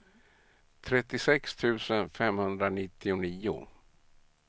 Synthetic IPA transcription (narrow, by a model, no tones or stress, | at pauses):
t̪ʰɾɛt̪ːɪsɛkst̪ʰʉ̟ːsənfɛmhɵnd̪ɾanɪt̪ːɪʊniːʊ̰